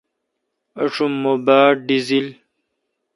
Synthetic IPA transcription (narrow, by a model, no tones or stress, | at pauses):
ɐʂumːobaːɖizil